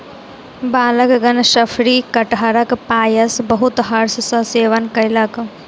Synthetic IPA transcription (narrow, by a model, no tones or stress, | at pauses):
baːləkɡɐnʃɐfʰɾiːkɐʈɦɐɾəkpaːjəsbəɦʊt̪ɦɐɾssɐseːʋənkɐjlɐk